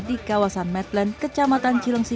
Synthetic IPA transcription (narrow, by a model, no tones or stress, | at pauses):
dikawasanmɛt̪lɛnkət͡ʃamat̪ant͡ʃiləŋsi